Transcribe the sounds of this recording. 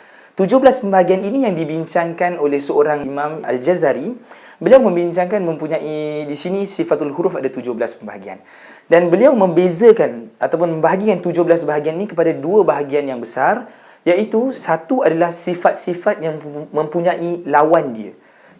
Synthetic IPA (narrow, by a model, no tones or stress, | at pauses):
t̪ud͡ʒʊɦbəlaspəmbaɦaɡianinijaŋdibiɲt͡ʃaŋkanolɛhsəoɾaŋimãma̰ld͡ʒazaɾi | bəliawmə̃mbiɲt͡ʃaŋkanmə̃mpuɲãʔidisinĩsifat̪alɦuɾufadat̪ud͡ʒʊhbəlaspəmbaɦaɡia̰n | danbəliawmə̃mbezəkanat̪awpʊnməmbaɦaɡikant̪ud͡ʒʊhbəlasbaɦaɡianinikəpadaduəbaɦaɡianjaŋbəsar | jaʔit̪usat̪uadalahsifat̪̚sifat̪̚jaŋmə̃mpuɲãʔilawandiə̰